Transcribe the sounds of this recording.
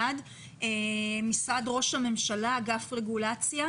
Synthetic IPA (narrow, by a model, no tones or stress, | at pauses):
ad̪ | emisad̪ʁo̞ʃhame̞mʃalaɡafʁe̞ɡulat͡sja